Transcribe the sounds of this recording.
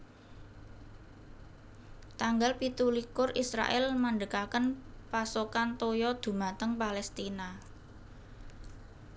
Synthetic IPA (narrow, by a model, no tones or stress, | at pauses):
t̪aŋɡalpit̪ulikʊrisɾa̰ʔɛlmaɳɖəkakənpasokant̪ojɔd̪̥ṳmat̪əŋpalɛst̪ina